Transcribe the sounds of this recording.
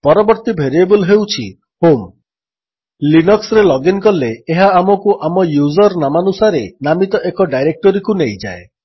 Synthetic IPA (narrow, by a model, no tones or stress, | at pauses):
pɔɾɔbɔɾt̪ibʱeɾiebulɦewt͡ʃʰḭ | hom | linɔksɾelɔɡinkɔleːɦaːmɔkuʔamɔjuzɔɾnamanusaɾenamit̪ɔʔekɔɖajɾek̚ʈɔɾikunejd͡ʒa̰e